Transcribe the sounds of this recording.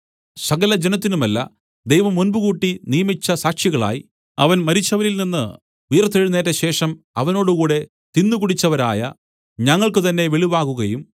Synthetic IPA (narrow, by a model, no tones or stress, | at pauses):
sɐɣɐlɐd͡ʑenɐt̪̬ːinumɐlːɐ̰ | d̪ejʋɐmonbuɣuːʈːinijɐmit͡ɕːɐsaːkʂjiɣɐɭa̰ːji | ɐ̰ʋɐnmɐɾit͡ɕːɐʋɐɾilninːɨ | ijɐrt̪ːeɻunːe̞ːtːɐɕe̞ːʂɐm | ɐʋɐno̞ːɽukuːɽe̞ | t̪inːukuɽit͡ɕːɐʋɐɾa̰ːjɐ̰ | ɲɐŋːɐɭkɨt̪ɐnːe̞ʋeɭiʋaːɣuɣɐjum